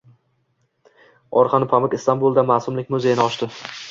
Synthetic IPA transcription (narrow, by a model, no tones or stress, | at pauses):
ɒɾqʰɑnɪpʰamɪkʲɪst̪anbulˠd̪amaːsʊmlɪkʲmʊzejɪnɪɒʃt̪ɪ